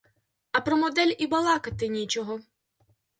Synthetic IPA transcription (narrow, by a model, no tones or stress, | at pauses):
ɐpɾɔmɔd̪ɛlʲibɐlˠɑkɐt̪ɪnʲit͡ʃɔɦɔ